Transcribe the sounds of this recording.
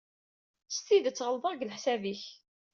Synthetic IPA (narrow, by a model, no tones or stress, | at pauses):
st̪iðət͡sːʁəlðˤəʁɡlħsæviç